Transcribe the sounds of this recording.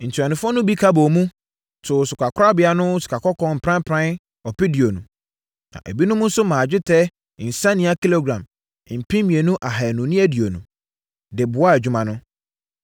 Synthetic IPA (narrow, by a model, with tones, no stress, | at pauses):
n̩˨tʰi˨a˨nɪ̃˨fɔ˦nʊ̃˦bi˦kʰa˦bɔ˨mũ˦ | tʰʊ˨sʊ˨kʰʷa˨kʰʊ˦ɾa˦bɪ˨˦a˨nʊ̃˦su̥˨kʰa˨kɔ˦kʰɔ̃˦m̩˨pʰɾã˦m˦pʰɾã˦n | ɔ˨pi˦di˨o˨nũ˨ | nã̰˨ʔæ˨bi˦nʊ̃˦mʊ̃˦n̩˦sʊ˦mãː˨d͡ʑᶣɪ˦tʰɛ˦˨ | n̩˨sã˦nɪ̃˦a˦kʰi˦lo˦ɡɾã˨m˨ | m̩˨pʰĩ˦mĩ˨e˨nũ˦ʔa˨ɦa˨ɛ˨nʊ̃˨nĩ˦æ˦˨di˨o˨nṵ̃˨ | dɪ˨bʊ˨˦a˦˨æ˨d͡ʑᶣu˦mã˨nʊ̃˦